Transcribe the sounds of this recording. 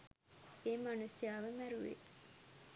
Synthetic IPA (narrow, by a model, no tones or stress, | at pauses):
emanusijaːʋəmæɾuʋḛ